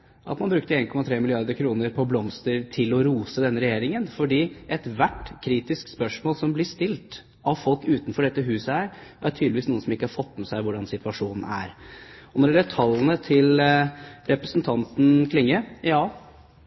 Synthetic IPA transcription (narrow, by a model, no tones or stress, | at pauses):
ʔɑ̰t̪mɑnbɾʉkt̪əeːnkɔmɑt̪ʰɾeːmɪlɪɑɾd̪əɾkʰɾuːnəɾpʰɔblɔmst̪əɾt̪ʰɪlɔɾuːsəd̪ɛnːəɾɛjeːɾɪŋənfɔɖiːʔɛt̪ʋæʈkʰɾiːt̪ɪskspœʂmoːlsɔmblɪʂt̪ɪlt̪ | ɑʋfɔlkʉːt̪nfɔɖɛt̪ːəɦʉːsəæɾʔæʈʰyːd̪lɪʋiːsnuːənsɔmɪkːəhɑɾfɔt̪ːmɛsæɪʋʊɖɑnsɪt̪ʉɑʂuːnn̩æ̰ɾɔnɔɖɛləʈʰɑlːənət̪ʰɪl | ɾɛpɾəsnt̪ʰɑnt̪n̩kʰlɪŋːəɾjɑː